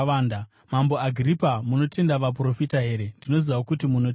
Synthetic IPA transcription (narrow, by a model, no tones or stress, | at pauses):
aːnda | mamboaɡʱiripamuno̞te̞ndaʋapro̞fitaɦe̞ːɾe̞ndino̞ziʋakutimunot